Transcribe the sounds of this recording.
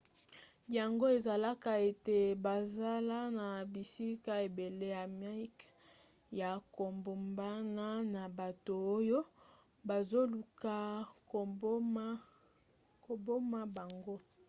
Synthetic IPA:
ja˨ŋɡo˦e˨za˨la˦ka˨e˨te˨ba˨za˦la˦na˨bi˨si˦ka˦e˨be˨le˦ja˨ma˦k | ja˨ko˨mbo˨mba˦na˦na˨ba˨to˨o˦jo˦ | ba˨zo˦lu˨ka˨o˨˦m˦ | ko˨bo˦ma˦ba˨ŋɡo˦

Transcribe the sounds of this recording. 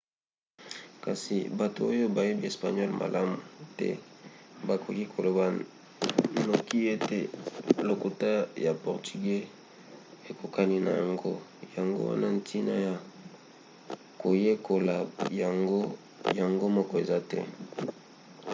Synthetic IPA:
ka˨si˨ba˨to̰˨o˦jo˦ba˨je˦bi˦e˨spa̰˨ɲɔ˦lmʔa̰˨lʔa˦mu˨tɛ̰˦ba˨kʰo˨ki˦kʰo˨lo˨ba˨ | no˨ki˦e˦te˦lo˨ko˨ta˦ja˨pɔ˨ʁty˨ɡe˦ | e˨ko˨ka˦ni˦na̰˨ja̰˨ŋɡo̰˦ja˨ŋɡo̰˦wa̰˦na˦n̩˨tʰi˦na̰˦ja˨ | ko˨je˦ko˨la˨ja˨ŋɡo˦ | ja˨ŋɡo˦mɔ˦kɔ˦˨e˨za˦tɛ̰˦

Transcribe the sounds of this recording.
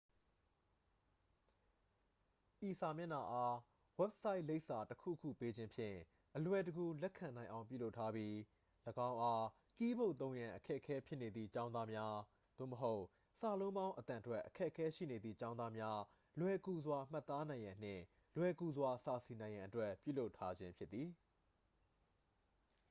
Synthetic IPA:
ʔi˨sa˨mjɪ̃˦˨na˨ʔa˦ | wɛ˦p̚sa˦ɪʔle˦ɪʔsa˨təkʰṵ˦˨kʰṵ˦˨pe˦d͡ʑɪ̃˦mpʰjɪ̰̃˦˨ | ʔəlwɛ˨təɡu˨lɛ˦kʰã˨nã˨ɪ̃ʔã˨ʊ̃pjṵ˦˨lo˦ʊʔtʰːa˦bji˦ | ləɡã˦ʊ̃ʔa˦ | ki˦bo˦˨ʔt̪õ˦ʊ̃jã˨ʔəkʰɛ˦ʔəkʰɛ˦pʰjɪ˦ʔne˨d̪ðḭ˦˨t͡ɕã˦ʊ̃ða˦mja˦ | d̪̥o̰˦˨məɦo˦ʊʔ | sa˨lõ˦ʊ̃bã˦ʊ̃ʔət̪ã˨twɛ˦ʔəkʰɛ̰˦ʔəkʰɛ˦ʃḭ˦˨ne˨d̪ðḭ˦˨t͡ɕã˦ʊ̃nd̪a˦mja˦ | lwɛ˨ku˨zwa˨m̥a˦˨t̪ːa˦nã˨ɪ̃jã˨n̥ɪ̰̃˦˨ | lwɛ˨ku˨zwa˨sa˨si˨nã˨ɪ̃jã˨ʔətwɛ˦pjṵ˦˨lo˦ʊtʰːa˦d͡ʑɪ̃˦mpʰjɪ˦t̪t̪ːi˨

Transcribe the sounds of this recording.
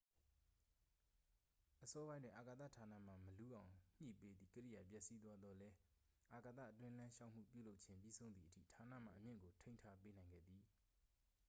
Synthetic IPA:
ʔəsɔ˦bã˦ɪ̃ndwɪ̃˨ʔa˨ka˨t̪a̰˦˨tʰa˨na̰˦˨m̥a̰˨məlu˦ʔã˨ʊ̃ɲ̥ɲḭ˦˨pe˦d̪ḭ˦˨kəɾḭ˦˨ja˨pjɛ˦ʔsi˦d̪wa˦d̪ðɔ˦lɛ˦ | ʔa˨ka˨t̪ä̰˦˨ʔətwɪ̃˦lã˦ʃa˦˨ʊʔm̥ṵ˦˨pjṵ˦˨lo˦ʊʔ̚t͡ɕʰɪ̃˦mpjḭ˦˨sʰõ˦ʊ̃nd̪ði˦˨ətʰḭ˦˨tʰa˨na̰˦˨m̥a̰˦˨ʔəmjɪ̰̃˦˨ŋɡo˨tʰẽ˦ɪ̃ntʰa˦pe˦nã˨ɪ̃ŋɡɛ̰˦˨d̪ði˨

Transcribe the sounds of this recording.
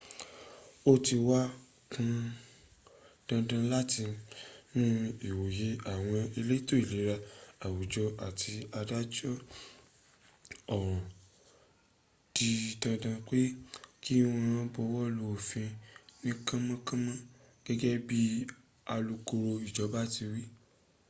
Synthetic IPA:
o˦ti˧wa˦ | kũ˧ | d̥ã˧dã˧la˦ti˧nũ˦i˨wo˨je˨˦a˦˨w̃ɔ̃˧e˧le˦i˦to˦i˦˨li˨˦ɾa˧a˨wu˨d͡ʒɔ˧a˨tʰi˧a˧da˦d͡ʒɔ˦ | ɔ˦˨ɾ̃ | d̥i˧dã˧dã˧k͡pe˦ki˦w̃ɔ̃˧ã˦bɔ˧wɔ˦lo˧˨fĩ˧nĩ˦kã˦mã˦kã˦mã˦ | ɡ̥ɛ˦ɡɛ˦bi˦ | a˧lu˧ko˧ɾo˧i˨d͡ʒɔ˨˦ba˦ti˧wi˦

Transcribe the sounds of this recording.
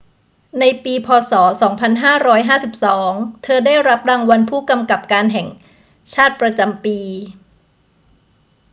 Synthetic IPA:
na˧jpiː˧pʰɔː˧sɔː˩˦sɔː˩˦ŋpʰa˧nɦaː˥˩ɾɔː˦˥jɦaː˥˩si˨˩p̚sɔː˩˦ŋt̪ʰɤː˧daː˥˩jɾa˦˥p̚ɾaː˧ŋwa˧npʰuː˥˩ka˧mka˨˩p̚kaː˧nɦɛ˨˩ŋ | t͡ɕʰaː˥˩t̪̚pɾa˧t͡ɕa˧mpiː˧

